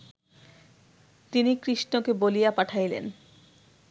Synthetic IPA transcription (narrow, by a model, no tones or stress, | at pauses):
t̪inikɾiʃnokebolijapaʈʰajlḛn